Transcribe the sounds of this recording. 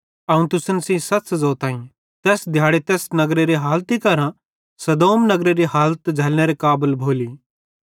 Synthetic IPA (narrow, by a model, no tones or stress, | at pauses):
ɐũt̪ʊsənsĩsɐtszɔːt̪ãːĩ | t̪ɛːsd̪ʱjaːɽet̪ɛːsnɐɡɾeɾiɦaːlt̪ikɐɾã | sɐd̪oːmnɐɡɾeɾiɦaːlət̪d͡ʒʱɐlñeɾekaːbəlbʱoːliː